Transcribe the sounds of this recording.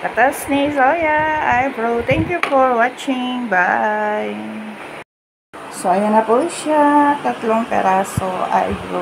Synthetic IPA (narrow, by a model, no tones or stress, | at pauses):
kat̪asnisojaajbɾot̪ʰɛ̃ŋkjufɔɾwat͡ʃɪŋbaj | soajanapoiʃat̪at̪lɔŋpɛ̰ɾasoa̰jbɾṵ